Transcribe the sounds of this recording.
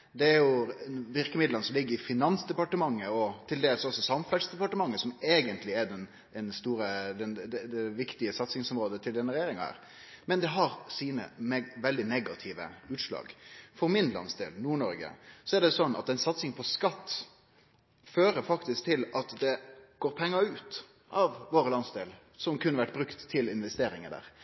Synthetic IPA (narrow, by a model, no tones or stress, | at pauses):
d̪ɛæɾjʊʋɪɾkəmɪd̪lənsɔmlɪɡːəɾɪfɪnɑnsd̪ɛpɑʈəmɑŋːəɔt̪ʰɪld̪eːlsɔsːɔsɑmfɛlsd̪ɛpɑʈəmɑŋːəsɔmeːɡənt̪lɪɛɾɖɛn | ɛnst̪uːɾəd̪ɛnd̪ɛd̪ɛʋɪkt̪ɪəsɑt̪sɪŋsɔmɾoːd̪ət̪ʰɪld̪ɛnːəɾɛjeːɾɪŋɑhæ̰ːɾ | mɛnd̪ɛɦɑɾsiːnə̰ʋɛld̪ɪnɛɡɑt̪ʰiːʋə̰ʉːt̪ʂlɑ̰ːɡfɔɾmɪnlɑ̰nsd̪ḛːlnuːɳɔɾɡə̰sɔæɖɛsɔnːɑ̰t̪ɛɪnsɑt̪sɪŋpʰɔskɑt̪ː | føːɾəfɑkt̪ɪsk̚t̪ʰɪlɑt̪d̪ɛɡ̥oːɾpʰɛŋːɑʉːt̪ | ʔɑʋʋoːɾəlɑnsd̪eːl | sɔmkʉnːəʋæʈ̚ːbɾʉkt̪ʰːɪlɪnʋɛst̪eːɾɪŋəd̪æ̰ːɾ